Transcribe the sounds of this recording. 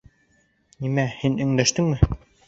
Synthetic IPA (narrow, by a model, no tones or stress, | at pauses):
nimæhinɘ̆ŋd̪æʃt̪ɘŋmɘ